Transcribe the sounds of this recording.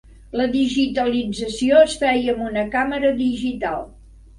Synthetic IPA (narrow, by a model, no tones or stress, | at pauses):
ləðiʒit̪əlid͡zəsioəsfɛjəmbunəkaməɾəðiʒit̪a̰lˠ